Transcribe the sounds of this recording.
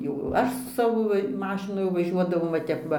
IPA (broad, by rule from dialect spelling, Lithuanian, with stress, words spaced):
jɛʊ ˈɐʃ sʊ ˈsɑːʋoː ˈmɑːʃʲɪnʊ jɛʊ ʋɐˈʒʲuɔdɐʋɐʊ ʋɐ ˈtʲɛp ˈʋɐ